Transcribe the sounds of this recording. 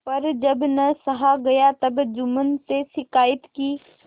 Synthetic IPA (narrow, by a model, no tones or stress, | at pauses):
pɐɾd͡ʒɐbnɐsɐɦaɡɐjat̪ɐbd͡ʒʊmənseʃɪkaːjɪt̪kiː